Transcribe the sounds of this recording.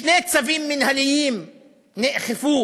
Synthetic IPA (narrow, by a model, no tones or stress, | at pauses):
neːt̪saviːmːɪnhalɪjiːm | nɪʔxɪfuː